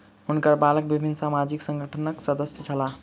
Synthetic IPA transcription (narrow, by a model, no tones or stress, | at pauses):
ɦunkəɾbalək̚bibʱinːsamad͡ʒiksə̃ŋɡʱəʈʰənəksəd̪əsjət͡ʃʰəla